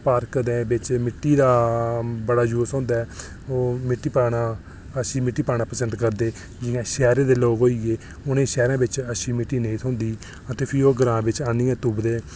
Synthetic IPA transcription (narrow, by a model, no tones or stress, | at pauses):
paːɾkd̪eːbɪt͡ʃmɪʈːiːd̪aːbəɽaːd͡ʒoːsõːnd̪aːɛː | oːmɪʈːiːpaːɳaː | əsiːmɪʈːiːpaːɳaːpəsəɳʈkəɾd̪eː | d͡ʒɪjãːʃɛːɾẽːd̪eːloːɡɦoːiːɡeː | ʊnẽːʃɛːɾãːbɪt͡ʃəsiːmɪʈːiːneːt̪ʰʊ̃ːnd̪iː | ət̪eːpʰɪɾioːɡəɾãːbɪt͡ʃaːnĩːɛ̃ːt̪ʊbd̪eː